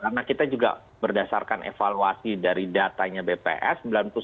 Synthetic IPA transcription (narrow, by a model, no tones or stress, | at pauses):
karnakit̪ad͡ʒuɡa̰ | bərdasa̰rkanʔḛfaluasidaɾidat̪aɲabepḛʔɛsəmbilanp̪ʊs